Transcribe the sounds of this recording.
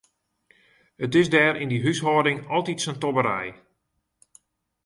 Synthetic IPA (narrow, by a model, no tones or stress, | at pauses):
hətɪsdɛːɾɪndiɦysɦɔːdɪŋɔlˠtitsəntɔbəɾɛ̰j